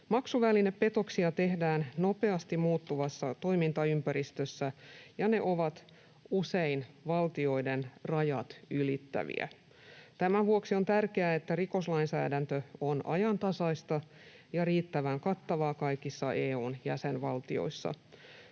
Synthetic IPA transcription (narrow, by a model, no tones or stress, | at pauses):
mɑksuʋælineppe̞t̪o̞ksiɑt̪e̞hdæːnno̞pe̞ɑst̪imuːt̪ːuʋɑsːɑt̪o̞jmint̪ɑympæɾist̪øsːæjɑne̞ʔoʋɑt̪ | useinʋɑlt̪io̞idenrɑjɑt̪ylit̪ːæ̰ʋḭæ̰ | t̪æmæʋuoksio̞nt̪ærkeæet̪ːæriko̞slɑinsæ̰ːdænt̪øonʔɑjɑnt̪ɑsɑist̪ɑ | jɑriːt̪ːæʋæŋkɑt̪ːɑʋɑːkɑjkisːɑʔeːuːnjæsenʋɑlt̪io̰isːɑ̰